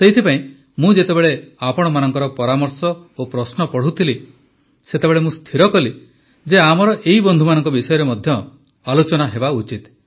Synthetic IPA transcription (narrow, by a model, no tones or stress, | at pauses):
t̪ejt̪ʰipaĩ | mũd͡ʒet̪ebeɭeapɔɽ̃ɔmanɔŋkɔɾɔpɔɾamɔɾsɔopɾɔsnɔpɔɽ̤ut̪ʰili | set̪ebeɭemũst̪ʰiɾɔkɔli | d͡ʒeamɔɾɔʔeɦibɔnd̪ʱumanɔŋkɔbisɔjɔɾemɔd̪ʱjɔ | alot͡ʃɔnaɦebaut͡ʃit̪